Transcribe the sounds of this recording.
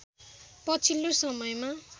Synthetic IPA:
pʌt͡sʰilːosʌmʌjma

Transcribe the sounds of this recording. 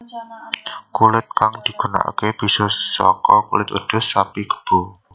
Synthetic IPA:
kulɪt̪̚kaŋd̪̥i̤ɡ̥una̰ʔa̰keb̥i̤sɔsɔ̰kɔkulɪt̪ṵd̪̥ʊ̤sapiɡ̥ə̥b̥ṳ

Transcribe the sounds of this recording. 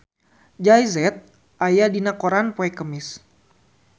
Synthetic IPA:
d͡ʒajzɛt̪̚ | ʔajadinakoɾanpoɛkəmɪs

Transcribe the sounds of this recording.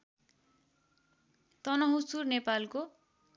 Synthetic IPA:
t̪ʌnʌɦusurnepalko

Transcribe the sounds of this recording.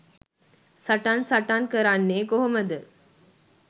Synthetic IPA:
sɐʈansaʈankəɾaːnːeːɡoɦoməd̪əɾ

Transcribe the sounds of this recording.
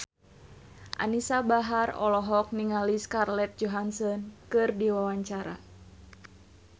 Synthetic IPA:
ʔa̰nisabaɦarɔ̰lɔɦɔk̚niŋaliskarlɛt̪̚d͡ʒɔɦansɔnkɨrdiwawaɲt͡ʃaɾa̰

